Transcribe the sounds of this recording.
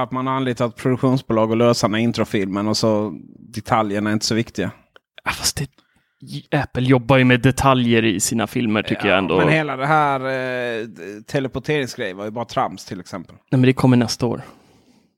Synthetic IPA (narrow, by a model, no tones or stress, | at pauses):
at̪manaanliːt̪at̪̚pʰɾʊd̪ɵkɧuːnsbʊːlɑːɡɔløːsanaɪnt̪ɾɔfɪlmənasɔd̪ɛt̪ʰaljəɳaæɾɪnt̪əsɔvɪkt̪ɪɡa | afḁst̪ɛ | ɛpːəljɔbːajɵmɛd̪ɛt̪ʰaljəɾɪsiːnafɪlməʈʰʏkːəja̰ɛnd̪oːmɛnheːlad̪ɛɦæːɾ | t̪ʰɛlɛpʊʈʰeːɾɪŋsɡɾɛjəvaɾjɵbɑːɾat̪ʰɾamst̪ʰɪlɛksɛmpəlnɛmnd̪ɛkʰɔmːəɳɛst̪ao̰ːɾ